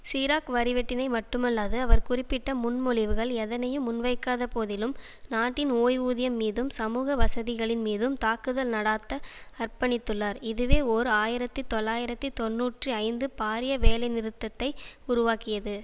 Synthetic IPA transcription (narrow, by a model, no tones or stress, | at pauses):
siːɾaːkʋɐɾɪʋɛʈːɪnɐɪmɐʈːɯmɐlːaːðɯɐʋɐɾkʊrɪpːɪʈːɐmʊnmʊɭɪʋɯɣɐɭɛðɐnɐjɯmːʊnʋɐɪkːaːðɐpoːðɪlɯm | naːʈːɪnoːjuːðɪjɐmːiːðɯmsɐmuːɣɐʋɐsɐðɪɣɐɭɪnmiːðɯmt̪aːkɯðɐlnɐɽaːt̪ːɐːrpɐɳɪt̪ːɯɭːaɾɪðɯʋeːoɾɯaːjɪɾɐt̪ːɯt̪ɔlːaːjɪɾɐt̪ːɯt̪ɔnːuːʈriɐɪnd̪ɯpaːɾɪjɐʋeːlɐɪnɪɾɯt̪ːɐt̪ːɐɪʊɾʊʋaːkɪjɐðɯ